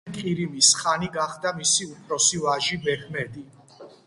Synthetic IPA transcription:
kʼiɾimisχaniɡaχd̪amisiupʰɾɔsivaʒibɛkʰmɛd̪i

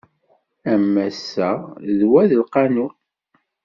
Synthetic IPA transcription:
æmːæsːæðwæðəlqɑnu

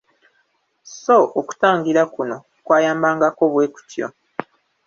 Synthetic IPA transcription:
so̞ʔːku̥taːŋɡiɾakuno̞ | kwaːjaːmbaːŋɡako̞βwe̞ːku̥tjo̰

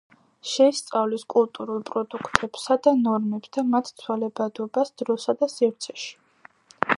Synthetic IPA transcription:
ʃɛist̪sʼavliskʼulˠt̪ʼuɾulˠpʼɾɔd̪ukʰt̪ʼɛb̥sad̪anɔɾmɛbsd̪ʰamat̪ʰt̪sʰwalɛbad̪ɔbasd̪ɾɔsad̪asifɾt̪sʰɛ̥ʃi̥

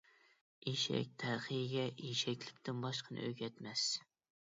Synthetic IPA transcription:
iʃɛ̰k̚ʲt̪ʰæɾχɨjɡʲɛʔiʃɛkʲlɪkʲt̪ʰɪnbɑʃqʰənɨ̰øɡʲɛt̪mɛs

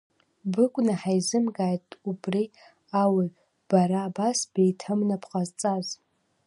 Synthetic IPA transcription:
bɨkʷʼnaħajzɨmɡaːjtʼubri | awi | b̥aɾaːbasb̥ejtʰɨmnapʰqʼazt͡sʼaz

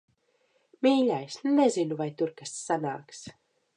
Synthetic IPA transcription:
miːlʲajsnɛzinuvajt̪uɾkasːanaːks

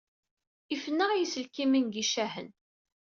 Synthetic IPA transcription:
ifənːəʁjisəlkiminɡiʃæhən

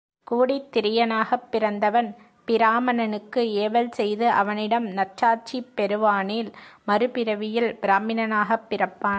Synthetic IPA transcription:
kuːɽit̪ːɪɾɪjɐnaːɣɐpːɪɾɐnd̪ɐʋɐn | pɪɾaːmɐnɐnɯkːɯeːʋɐlsɛjðɯʔɐ̰ʋɐnɪɽɐmnɐt͡ʃaːt͡ʃipːɛɾɯʋaːniːlmɐɾɯpɪɾɐʋɪjɪlbɪɾaːmɪnɐnaːɣɐpːɪrɐpːaːn

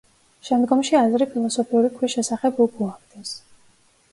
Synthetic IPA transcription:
ʃɛmd̪ɡɔmʃiazɾipʰilˠɔsɔpʰiuɾikʰwisʃɛsaχɛbuɡuakd̪ɛs

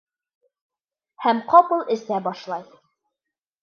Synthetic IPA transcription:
hæmqɒpɤlˠɘ̆sæbɒʃlˠɑj

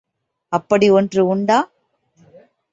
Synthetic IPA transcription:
ɐpːɐɽiɔndrɯʊɳɖaː

